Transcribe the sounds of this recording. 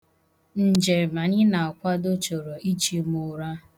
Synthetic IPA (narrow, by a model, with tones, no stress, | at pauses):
n̩˨d͡ʒe˨ma˨ɲɪ˦na˨kʷa˦do˦t͡ʃo˨ɾo˨i˦t͡ʃi˦mʊ˦ɾa˦